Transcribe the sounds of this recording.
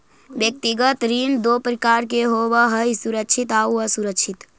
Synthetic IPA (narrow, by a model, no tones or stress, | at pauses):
bjək̚t̪iɡət̪ɾind̪opɾəkaɾkeɦoʋəɦəisuɾəkʃʰit̪auəsuɾəkʃʰit̪